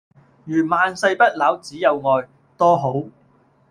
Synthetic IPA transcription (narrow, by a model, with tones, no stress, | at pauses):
jyː˨˩maː˨nsɐ˧jpɐ˥t̚laː˨˥wt͡siː˨˥jɐ˨˧wŋɔː˨˧j | t̪ɔː˥ɦo˨˥w